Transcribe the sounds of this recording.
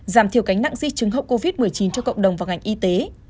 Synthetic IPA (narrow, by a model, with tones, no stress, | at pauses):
zaː˧˩mt̪ʰi˨˩əwka˨˦jŋ̟na̰˧˨ŋzḭ˧˥t͡ɕɨ˨˦ŋɦə˧˨wko˧vi˦˥t̚mɨ˨˩əjt͡ɕi˨˦nt͡ɕɔ˧kə̰˧˨wŋ͡mɗə˨˩wŋ͡mvaː˨˩wŋa˨˩jŋ̟ʔi˧t̪e˨˦